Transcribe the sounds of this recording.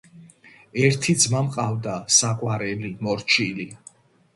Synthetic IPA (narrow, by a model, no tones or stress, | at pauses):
ɛɾt̪ʰid̪zmamqʼavd̪asaqʼwaɾɛlimɔɾt͡ʃʰili